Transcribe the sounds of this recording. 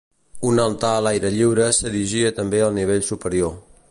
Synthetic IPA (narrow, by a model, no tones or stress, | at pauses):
unəlt̪alajɾəʎiwɾəsəðiʒiət̪əmbeəlˠniβ̞eʎsupəɾio